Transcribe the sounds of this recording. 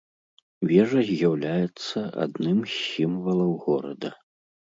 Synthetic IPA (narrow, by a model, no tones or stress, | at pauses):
vʲɛʐɐzʲjawlʲajɛt̪sːɐʔa̰d̪nɨmsʲimvɐlˠɐwɣɔɾɐd̪ɐ